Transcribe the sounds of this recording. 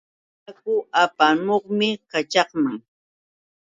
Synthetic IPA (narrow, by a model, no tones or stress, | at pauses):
kʊapanoχmɪkat͡ʃɑχmaŋ